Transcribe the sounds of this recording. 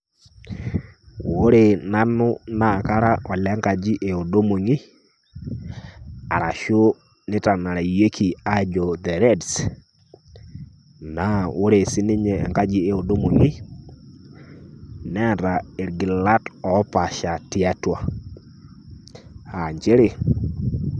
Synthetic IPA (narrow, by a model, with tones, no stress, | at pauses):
wo˦ɾe˨na˦nʊ˦na˨ka˦ɾa˦ɔ˨lɛ˨˦ŋka˨d͡ʒi˦ʔe˨o˨do˦mo˨ŋi˦ | a˨ɾa˨ʃo˦ | nɪ˦ta˨na˨ɾa˨je˦kʰi˨a˦d͡ʒɔ˨dɛ˨ɾɛ˦ds | na˨wo˦ɾe˨sɪ˦nɪ˦ɲɛ˨ɛ̰˨ŋka˦d͡ʒi˦e˨o˨do˦mo˨ŋi˦ | nɛ˦a˨ɾa˨e˨ɾɡi˨la˦tɔ˨˦pa˨ʃa˨tɪ˦a˦twa˨ | a˨ɲd͡ʒe˦ɾe˨